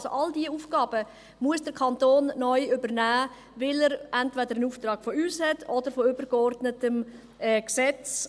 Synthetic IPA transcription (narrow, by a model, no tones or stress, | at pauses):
so̰ʔɑldiəuːfɡ̥ɑːb̥ə | muəsd̥əɾkʰɑntoːnːɔʏʏbəɾnæː | vɪləɾɛntvɛdəɾənuːftɾɑːɡ̥fɔyːshɛtʰɔdəɾfɔʏbəɾɡɔɾdnətəm | ɛksɛt͡s